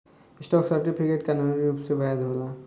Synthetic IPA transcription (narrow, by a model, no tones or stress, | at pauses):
isʈɔksaɾʈipʰikeʈkanalɾiɾupsebajad̪ʱɦola